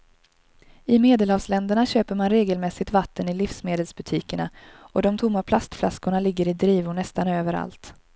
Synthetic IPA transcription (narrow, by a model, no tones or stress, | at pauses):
ɪmeːd̪əlhɑːvslɛnd̪əɳaɕøːpəɾmanɾeːɡəlmɛsɪt̪vat̪ʰːənɪlɪfsmeːd̪əlsbɵt̪ʰiːkəɳaɔd̪ɔmt̪ʰʊmːapʰlast̪fla̰skʊɳalɪɡːəɾɪd̪ɾiːvʊɳɛst̪anøːvəɾa̰lt̪